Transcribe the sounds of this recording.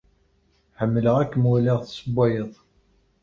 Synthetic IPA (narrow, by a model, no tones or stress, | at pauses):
ħəmːləʁækːəmwæliʁθsəbʷːæjəðˤ